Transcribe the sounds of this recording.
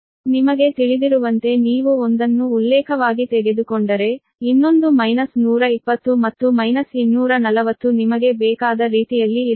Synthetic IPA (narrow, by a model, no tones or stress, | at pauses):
nimɐɡe̞t̪iɭid̪iɾuʋɐnt̪e̞niːʋuond̪ɐnːuːlːɛːkʰɐʋaːɡit̪ɛɡe̞d̪ukoɳɖɐɾe̞ | inːo̞nd̪umɐjnɐsnuːɾɐipːɐt̪ːumɐt̪ːumɐjnɐsinːuːɾɐnɐlɐʋɐt̪ːunimɐɡe̞bɛːkaːd̪ɐɾiːt̪ijɐlːi